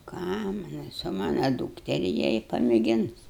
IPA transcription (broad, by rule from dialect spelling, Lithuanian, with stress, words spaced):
ˈkɑː ˈmɑːnɐʊ sʊ ˈmɑːnɐ ˈduːktʲɛrʲɪ ˈjiɛ ɪ pɐmʲeːˈɡʲɪns